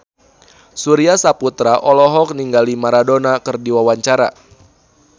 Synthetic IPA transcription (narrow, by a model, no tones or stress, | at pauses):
suɾiasaput̪ɾaʔɔlɔɦɔk̚niŋɡalimaɾadonakɨrdiwawaɲt͡ʃaɾa̰